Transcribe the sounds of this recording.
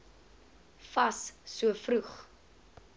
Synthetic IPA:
fɐssuəfruχ

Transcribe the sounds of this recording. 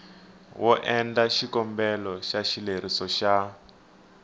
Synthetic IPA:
wʔɔʔɛndaʃikɔmbɛlɔʃaʃileɾ̤isɔʃa

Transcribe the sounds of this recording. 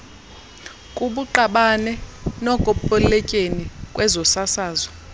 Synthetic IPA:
kʼuɓuǃaɓanɛnɔkʼɔpʼɔlɛcʼenikʼwɛzɔsasaːzɔ

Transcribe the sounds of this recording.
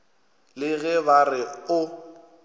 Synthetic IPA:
lɪɣɛbarɪʊ

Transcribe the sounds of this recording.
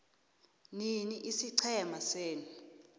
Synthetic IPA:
niniʔisiǀʰɛmaseːni

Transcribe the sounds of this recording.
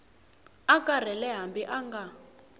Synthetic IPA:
akʼar̤ɛlɛɦambiʔaŋɡa

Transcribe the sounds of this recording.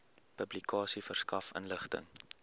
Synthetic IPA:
pəblikɑːsifərskɐfə̰nləχtə̰ŋ

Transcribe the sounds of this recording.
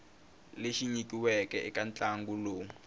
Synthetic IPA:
leʃiɲikiwɛkɛʔikant͡ɬʼaŋɡuloːŋ̩

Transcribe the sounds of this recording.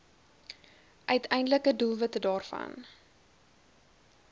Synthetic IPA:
ʔœɥtʰɛjndələkədulˠvətədɑːrfɐ̰n

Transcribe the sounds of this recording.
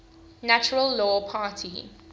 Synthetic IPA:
nat͡ʃʊɹəlːɔːpʰaːtʰḭ

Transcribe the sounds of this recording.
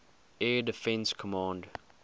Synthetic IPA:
ɛːdɪfɛ̃nskʰɔmɑ̃ːnd

